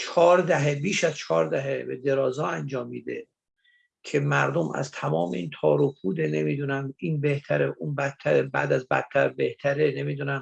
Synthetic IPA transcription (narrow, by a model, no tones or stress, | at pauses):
t͡ʃʰɒːɾd̪æɦebiːʃæzt͡ʃʰɒːɾd̪æɦebed̪e̞ɾɒːzɒːænd͡ʒɒːmːiːd̪e̞̰ | kʰe̞mæɾd̪omæ̰zt̪ʰæmɒːmeiːnt̪ʰɒːɾopʰuːd̪ene̞miːd̪unæmiːnbe̞ht̪ʰæɾeʔunbæt̪ʰːæɾebæ̰ːd̪æzbæ̰t̪ʰːæɾbeht̪ʰæɾene̞miːd̪unæm